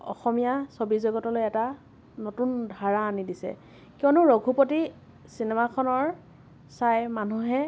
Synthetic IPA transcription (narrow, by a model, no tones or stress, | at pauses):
ɔ̰xɔmijasobizɔɡɔtɔlojɛta | notundʱaɹaːnidisɛ̰ | kiɔnʊɹoɡʱupoti | sinɛmakʰɔnɔɹ | sajmanuɦɛ